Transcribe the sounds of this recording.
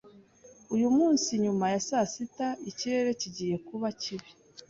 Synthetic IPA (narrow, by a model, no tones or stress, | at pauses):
ujumuːnsiɲumajasasitaiciɾe̞ɾe̞ciɟiːje̞kuβaciβi